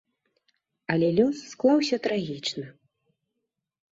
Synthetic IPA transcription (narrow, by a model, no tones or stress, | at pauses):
ɐlʲɛlʲusːklˠawsʲɐt̪ɾaɣʲit͡ʂnɨ